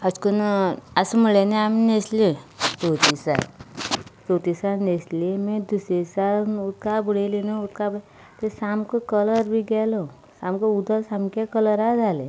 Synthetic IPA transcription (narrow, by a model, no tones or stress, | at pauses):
əskənəsəməɭeneamineslet͡sot̪isa̰l | t͡sot̪isaneslemẽd̪usesalnut̪kabəɽelinaut̪kab | t̪esamkəkələɾbʱiɡɛlo | samkəud̪ʱəsamkakələɾad͡zʱale